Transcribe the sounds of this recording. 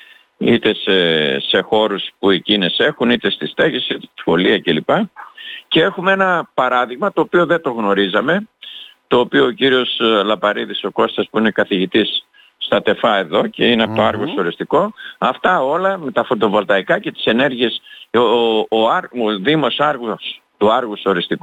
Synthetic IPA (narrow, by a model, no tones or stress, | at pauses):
it̪e̞sese̞xo̞ɾuspuecinese̞xunit̪e̞st̪ist̪eɣesit̪e̥i̥xo̞liɐcelipɐcee̞xumeenɐpɐɾɐðiɣmɐt̪o̞ːpioðe̞t̪o̞ɣno̞ɾizɐme̞t̪o̞ːpioːciɾio̞slɐpɐɾiðiso̞ko̞st̪ɐspuinekɐθiʝit̪isː | t̪ɐt̪e̞fɐe̞ðo̞ce̞ineɐpot̪oɐɾɣoso̞ɾist̪iko̞ɐft̪ɐo̞lɐme̞t̪ɐfo̞t̪o̞vo̞lt̪ɐikɐce̞t̪i̥se̞ne̞ɾʝie̞soɐɾoðimo̞sɐɾɣust̪uɐɾɣuso̞ɾist̪iku